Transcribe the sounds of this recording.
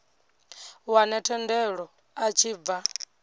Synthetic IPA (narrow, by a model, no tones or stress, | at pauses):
wanɛtʰɛndɛɺɔ | at͡ʃʰiːb̪va